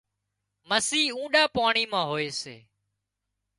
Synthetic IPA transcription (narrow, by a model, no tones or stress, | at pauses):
məsiːũːɗaːpaːɳiːmãːɦoːeːsḛː